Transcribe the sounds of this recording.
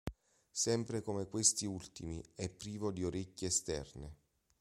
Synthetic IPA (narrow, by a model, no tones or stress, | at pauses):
sɛmpɾekomekwest̪iult̪imiɛpːɾiːvod̪ioɾecːeːst̪ɛ̰rne